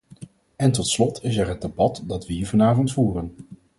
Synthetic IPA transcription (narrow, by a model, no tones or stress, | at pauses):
ɛntɔtslɔtʰɪsɛɹɦəd̚debɑtdɑtʋəɦiːɹvɑnaːvɔntfuːrən